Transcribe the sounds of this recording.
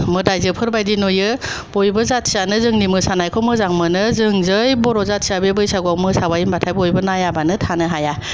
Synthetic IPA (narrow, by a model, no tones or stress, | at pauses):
mɯdajzɯpʰɯɾbajdinojɯ | bojbɯzat̚sianɯzɯŋnimɯsanajkʰɔmɯzaŋmɯnɯzɯŋzɯjbɔɾɔzat̚siabebɯjsaɡuawmɯsabajimbatʰajbojbɯnajabanɯtʰanɯɦaja